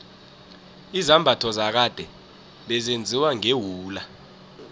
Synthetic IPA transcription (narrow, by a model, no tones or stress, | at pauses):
izambʱatʰɔzak̬ad̥ʱɛ | ɓɛzend͡zʱiwaŋewuːla